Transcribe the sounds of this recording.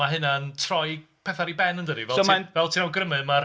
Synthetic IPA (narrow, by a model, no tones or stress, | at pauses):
aɦɪnantʰrɔjpʰɛθaɾibɛnəndədivɛəmanvɛlˠtʰinawɡrəmɨma